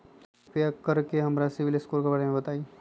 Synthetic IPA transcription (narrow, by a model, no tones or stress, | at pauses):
pijakɐɾkeɦɐmɾasɪʋɪlɪskoːɾkebaːɽemẽbɐt̪aːi